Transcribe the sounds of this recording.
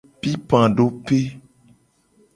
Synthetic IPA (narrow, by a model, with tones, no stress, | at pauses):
pi˦pã˨ɖo˦pe˦